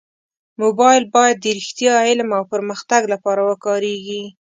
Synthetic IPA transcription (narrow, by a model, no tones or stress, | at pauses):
mobɑjɪlbɑjad̪̚ːəɾixt̪jɑhɪlmawpəɾməxt̪aɡlapɑɾawəkɑɾeɡi